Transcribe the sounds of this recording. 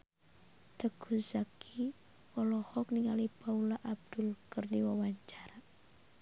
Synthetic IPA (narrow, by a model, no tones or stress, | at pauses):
t̪əkʰuzakʰi | ɔlɔhɔk̚niŋalipaulaʔab̚d̪ulkərdiwawaɲt͡ʃaɾa